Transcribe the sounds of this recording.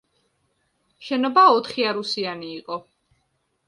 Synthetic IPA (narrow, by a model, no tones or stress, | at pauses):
ʃɛnɔbaɔt̪ʰχiaɾusianiːqʼɔ